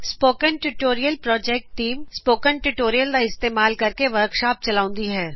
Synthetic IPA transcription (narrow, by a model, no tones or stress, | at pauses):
spoːkənʈuʈoːɾijəlpɾɔːd͡ʒɛːk̚ʈʈːiːmspoːkənʈuʈoːɾijəld̪aɪst̪eːmaːlkɐɾkeʋɐɾkʃaːp̚t͡ʃɐlaːʊ̃nd̪iɦɛː